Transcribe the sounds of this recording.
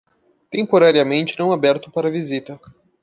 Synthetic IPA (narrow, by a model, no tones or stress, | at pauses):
t̪ẽpoɾaɾiɐmẽnt͡ʃɪnɐ̃w̃abɛɾt̪ʊpaɾɐvizit̪ɐ